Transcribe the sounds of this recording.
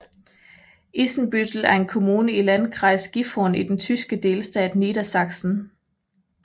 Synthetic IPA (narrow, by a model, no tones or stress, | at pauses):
ʔisn̩b̥ydl̩æɐe̝nkʰo̝muːnəilænkʰʁɑ̈ɪsɡ̥ifɔnid̥ent͡sʰysɡ̥əd̥e̝ːlsd̥ɛ̰ːd̥niːɾæsɑ̈ɡ̥sn̩